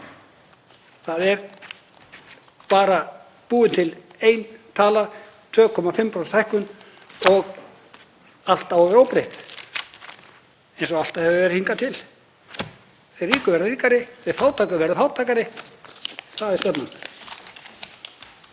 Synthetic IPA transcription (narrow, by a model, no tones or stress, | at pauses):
θaðɛɾ | paːɾa | puːðɪnt̪ʰɪl | ejnt̪ʰaːla | t̪ʰvœːkʰɔmafɪmpʰɾɔsθajhkʏn | ɔɣ | al̥t̪awɔvɪɾowpɾeht̪ | ejnsɔal̥t̪aðhɛvʏvɛːɾɪhiŋkat̪ʰɪl | θejriːkʏvɛɾðriːkaɾɪθej̥faːwt̪ʰaːkʏɾvɛɾðafawt̪ʰaːkaɾɪ | θaðɛ̥st̪ɛp̪nan